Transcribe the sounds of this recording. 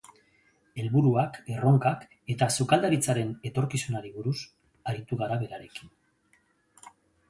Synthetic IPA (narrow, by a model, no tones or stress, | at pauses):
e̞lβuɾuake̞ro̞ŋkak | e̞t̪asukald̪aɾit͡saɾe̞ne̞t̪o̞ɾkisunaɾiβuɾus | aɾit̪uɣaɾaβe̞ɾaɾe̞kin